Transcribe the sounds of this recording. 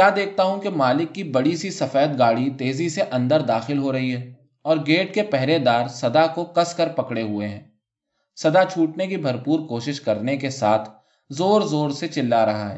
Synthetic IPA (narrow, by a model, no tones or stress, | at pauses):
kjaːd̪eːk̚ʰt̪aɦũkemaːlɪkːibɐɽisisɐfɛːt̪̚ɡaːɽit̪eːziseʔɐ̃nd̪əɾd̪aːxɪlɦoɾɐɦiɦɛː | ɔːɾɡeːʈkepɛɦɾed̪aːɾsɐd̪akokɐskəɾpɐkɽeɦʊeɦɛ̃ː | sɐd̪at͡ʃʰuːʈnekibʱɐɾpuːɾkoːʃɪʃkɐɾnekesaːt̪ʰ | zoːɾzoːɾset͡ʃɪlːaɾɐɦa̰ɦɛ̰ː